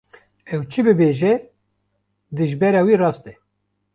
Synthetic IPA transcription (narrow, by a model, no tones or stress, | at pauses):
ɛwt͡ʃʰɨbɨbeːʒɛ | d̪ɨʒbɛɾɑːwiːrɑːst̪ɛ